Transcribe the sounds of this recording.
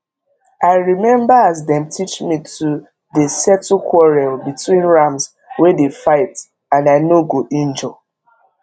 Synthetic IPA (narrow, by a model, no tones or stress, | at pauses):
aɪɹimɛ̃mbaazdɛ̃mtʰit͡ʃmitʰu | desɛtukʰwɔɹɛlbitwĩnɹams | wɛdefaɪt | ãnaɪnoɡoʔĩnd͡ʒɔ